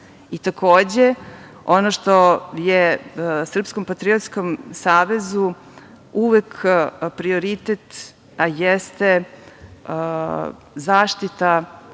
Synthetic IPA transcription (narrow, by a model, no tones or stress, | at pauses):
it̪akoːd͡ʑe | o̞noʃt̪o̞jesr̩pskompat̪ɾiot̪skomsaːʋezu | uʋekpɾioɾit̪et̪ | ajɛst̪e | zaːʃt̪it̪a